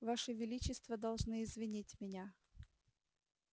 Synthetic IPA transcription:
vaʂɨvʲɪlʲit͡ɕɪst̪vəd̪ɐlˠʐnɨɪzvʲɪnʲitʲmʲɪnʲa

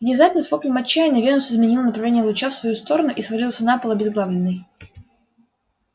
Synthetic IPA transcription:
vnʲɪzat̪ʲnəsvoklʲɪmɐt͡ɕːæjɪnəvʲenʊsɪzmʲɪnʲilˠənəpɾɐvlʲenʲjəlˠʊt͡ɕafsvɐjust̪o̞ɾənʊʔisvɐɾʲilˠəsʲənapəlˠəɐbʲɪzɡlˠavlʲɪnːɨj

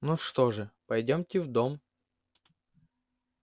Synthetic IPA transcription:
nuʂt̪oʐɨpɐjdʲomtʲɪvd̪om

